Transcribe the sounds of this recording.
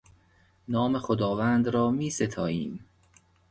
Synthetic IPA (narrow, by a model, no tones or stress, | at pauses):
nɒːmexod̪ɒːvæːnd̪ɾɒːmiːset̪ʰɒːʔiːm